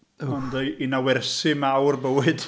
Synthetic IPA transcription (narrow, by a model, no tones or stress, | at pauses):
ɔndəinawɛrsɪmawrbəwɨd̥